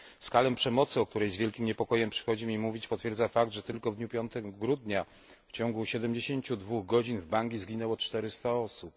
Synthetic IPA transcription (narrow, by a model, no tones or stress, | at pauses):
skalɛpʂɛmɔt̪sɘɔk̚t̪uɾɛjzvʲjɛlkʲimɲɛpɔkɔjɛmpʂɘ̥xɔd͡ʑimʲimuvʲit͡ɕpɔt̪fʲjɛɾdzafak̚d̪ʐɛt̪ɘlkɔvd̪ɲupʲjɔnt̪ɛɡɡɾud̪ɲa | ft͡ɕɔŋɡuɕɛd̪ɛmd͡ʑeɕeɲt͡ɕud̪vuɣɡɔd͡ʑinvbaŋɡʲizɡʲinɛwɔt͡ʂt̪ɛɾɘst̪aɔsup̚